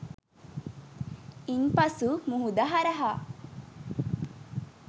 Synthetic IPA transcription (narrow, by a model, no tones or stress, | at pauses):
inpɐsumuɦud̪aɦaɾɐɦa